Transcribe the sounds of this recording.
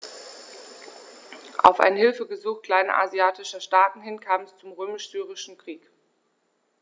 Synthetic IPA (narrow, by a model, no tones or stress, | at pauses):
ʔa̰ʊfʔa̰ɪnhɪlfəɡəzuːxkl̥aɪnɐ̰ʔa̰ziaːtɪʃɐʃtaːtn̩hɪnkʰaːbmɛst͡sʊmʁøːmɪʃz̥yːʁɪʃn̩kʁ̥iːk